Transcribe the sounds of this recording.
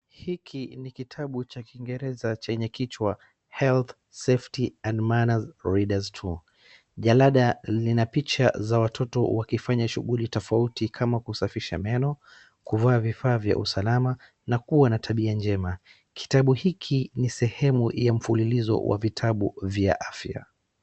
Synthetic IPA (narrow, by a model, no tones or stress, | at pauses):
hikʰinikitʰaɓut͡ʃakiŋɡɛɾɛzat͡ʃɛɲɛkit͡ʃwa | hɛlθ | seftiandmanazɾiɗaztʰu | ʄalaɗalinapit͡ʃa̰zawatʰɔtɔwakifaɲaʃuɣulitɔfautikʰamakusafiʃa̰mɛnɔ | kuvaːvifaːvja̰ʔṵsalama | nakuwanatʰaɓiand͡ʒɛma | kʰi̥taɓuhikʰinisɛhɛmujam̩fulilizɔ̰wʔa̰vitʰaɓuvja̰ʔafja̰